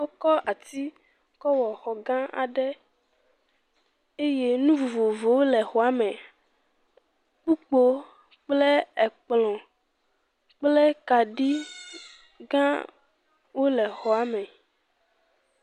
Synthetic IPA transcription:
wo˦kɔ˦ʔa˨t̪i˦ | kɔ˦wɔ˨xɔ˨ɡã˦a̰˨ɖɛ˦ | e˦je˦nũ˦vo˨vo˨vo˨wo˦lɛ˨xɔ˨a˨mɛ̃˨ | k͡pu˦k͡po˦ | k͡plɛ˦ɛ˨k͡plɔ̃˨ | k͡plɛ˦ka˨ɖi˦ | ɡã˦ | wo˦lɛ˨xɔ˨a˨mɛ̃˨

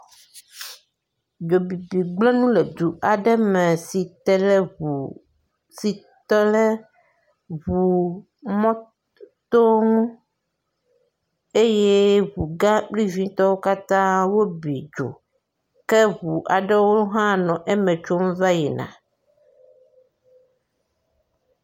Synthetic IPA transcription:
d͡ʒo˨bi˨bi˨ɡ͡blɛ˦nũ˦lɛ˨d̪u˨ʔa˨ɖɛ˦mɛ˨si˨t̪ɛ˨lɛ˦βu˨ | si˨ | t̪ɔ˦lɛ˦ | βu˨ | mɔ̃˦ | t̪o˦ŋũ˦ | e˦je˦βu˨ɡã˦k͡pli˦vĩ˦t̪ɔ˦wo˦ka˦t̪ã˦wo˦bḭ˨d͡ʒo̰˨ | kɛ˦βu˨ʔa̰˨ɖɛ˦wo˦lɦã˦nɔ̃˨ʔɛ˦mɛ̃˨t͡ʃo˦m˦va˦ji˨nã̰˨

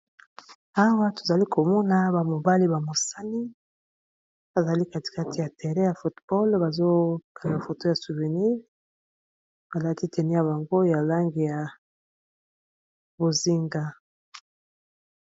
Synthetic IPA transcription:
a˦wa˦to̥˨za˨li˦ko˨mɔ˦na˦ba˨mo˨ba˦li˦ba˨mo˨sa˦ni˦ | ba˨za˨li˦ka˦ti̥˨ka˦tʰi˨ja˨tɛ˨ʁɛ˦ja˨fu˨tb̥ɔ˦lba˨zo˦ka˨na˨fo˨to˦ja˨su˨ve˨ni˦ʁ | ba˨la˦ti˦tʰɛ˨nɛ˦ja˨βa˨ŋɡo˦ja˨la˦ŋɡi˨ja˨ | bo˨zi˦ŋɡa˨

